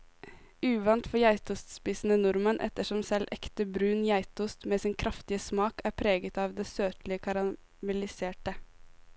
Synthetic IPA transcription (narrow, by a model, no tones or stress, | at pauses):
ʉːʋɑnt̪fɔjæɪt̪ʊst̪spiːsn̩ənʊɾmənʔɛ̰t̪əʃɔmsɛlʔɛ̰kt̪əbɾʉːnjæɪt̪ʊːst̪meːsɪnkʰɾʔɑft̪ɪəsmɑːkæːɾpʰɾeːɡət̪ɑːʋd̪eːsøːt̪lɪəkʰɑɾɑ | mɛlɪseːʈə